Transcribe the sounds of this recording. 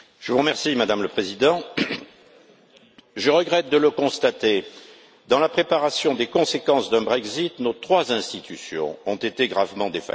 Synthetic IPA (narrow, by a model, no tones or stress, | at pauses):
ʒ̥əvuʁəmɛʁsimad̪amləpχezid̪ɑ̃ | ʒəʁəɡʁɛt̪̚d̪ələkɔ̃st̪at̪e | d̪ɑ̃lapχepaʁasjɔ̃d̪ekɔ̃sekɑ̃sd̪ɛ̃bʁɛkzit̪not̪χwazɛ̃st̪it̪ysjɔ̰̃ɔ̃t̪et̪eɡʁavmɑ̃d̪efa̰